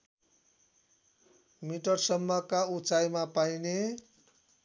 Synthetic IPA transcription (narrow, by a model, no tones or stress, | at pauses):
miʈʌrsʌmːʌkaut͡sajmapajne